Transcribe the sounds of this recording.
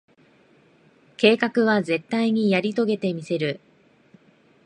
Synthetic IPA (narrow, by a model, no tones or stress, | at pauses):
ke̞ːkakɯ̟βaze̞t̪ːaiɲ̟ijaɾʲit̪o̞ɡe̞t̪e̞mʲise̞ɾɯ̟